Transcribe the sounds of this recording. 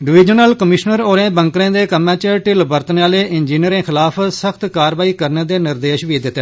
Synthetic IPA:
ɖɪʋɪːd͡ʒənəlkəmɪʃnəɾoːɾẽːbəŋkɾẽːd̪eːkəmːãːt͡ʃʈɪlbəɾt̪nːaːleːʔɪnd͡ʒiːniəɾẽːxʰɪlaːpʰsəkʰt̪kaːɾʋaːiːkəɾnẽːd̪eːnɪɾd̪eːʃʋiːd̪ɪt̪ːɛː

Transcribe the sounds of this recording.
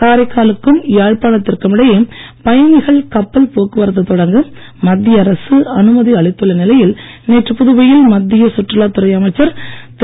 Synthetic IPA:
kaːɾɐɪkːaːlɯkːɯmjaːɻpaːɭɐt̪ːɪrkɯmɪɽɐjeː | pɐjɐnɪɣɐɭkɐpːɐlpoːkːɯʋɐɾɐt̪ːɐt̪ɔɽɐŋɡɯmː | ɐd̪ːɪjɐɐɾɐsɯɐnɯmɐðiɐɭɪt̪ːɯɭɐnɪlɐjɪl | neːʈrɯpʊðɯʋɐjɪlmɐd̪ːɪjɐsʊʈːrɐlaːt̪ʊɾɐɪjɐmɐɪt͡ʃːɐɾt̪

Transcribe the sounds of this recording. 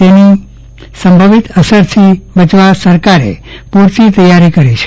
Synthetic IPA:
t̪eni | səmbʱəʋit̪əsəɾt̪ʰibət͡ʃʋasəɾkaɾḛpuɾt͡ʃit̪əjːaɾikəɾit͡ʃʰe̥

